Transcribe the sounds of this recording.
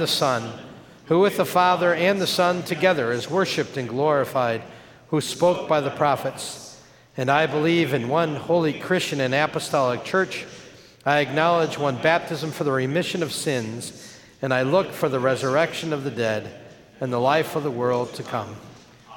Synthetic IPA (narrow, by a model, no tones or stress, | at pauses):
ðɨsʌ̃n | huwɨðəfɑðə˞ɨ̃nðɨsʌ̃ntʰɨɡɛðə˞ɪzwɜ˞ʃɨp̚tɨ̃nɡlɔɹɨfaɪd̚ | huspoʊk̚b̥aɪðɨpʰɹ̥ɑfɨts | ɨ̃naɪbəlivɨ̃nwʌ̃nhoʊlˠikʰɹ̥ɪst͡ʃɨ̃nɨ̃næpəstɑlˠək̚t͡ʃʰɜ˞t͡ʃ | aɪɨk̚nɑlˠɪd͡ʒwʌ̃nbæp̚tʰɨzɨ̃ɱfə˞ðəɹimɪʃɨ̃nʌv̥sɪ̃nz | ɨ̃naɪlʊkfə˞ðɨɹɛzə˞ɛkʃɨ̃nʌvðɨdɛɾ | ɨ̃nðəlaɪfʌvðəwɜ˞lˠd̚tʰɨkʰʌ̰̃m